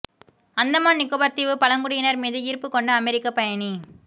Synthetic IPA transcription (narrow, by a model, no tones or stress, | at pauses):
ɐnd̪ɐmaːnɪkːoːbɐɾt̪iʋɯpɐlɐŋɡʊɽɪjɪnɐɾmiːðɯiɾpːɯkːɔɳɖɐːmɛɾɪkːɐpɐjɐɳi